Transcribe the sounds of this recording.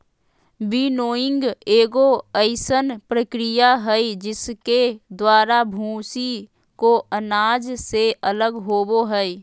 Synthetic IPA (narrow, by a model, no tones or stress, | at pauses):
binoːɪ̃ŋɡeːɡoəɪsənpɾəkɾijaɦɛid͡ʒɪsked̪waːɾabʱũːsi | koʔənaːd͡ʒseʔələɡɦoːboɦɛi